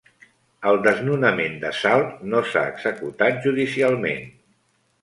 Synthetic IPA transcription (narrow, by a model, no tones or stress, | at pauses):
əlˠd̪əznunəmend̪əsalˠt̪nosa̰ə̰ɡz̥əkut̪at̪̚ʒuðisialˠmḛn